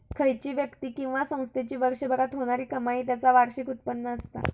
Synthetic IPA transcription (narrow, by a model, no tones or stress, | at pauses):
kʰəjt͡ɕiːʋjəkt̪iːkĩw̃ʋasə̃w̃st̪ʰet͡ɕiːʋəɾʂəbʱəɾat̪ɦoɽ̃aɾiːkəmaiːt̪jat͡saʋaɾɕikut̪̚pənːəːst̪a̰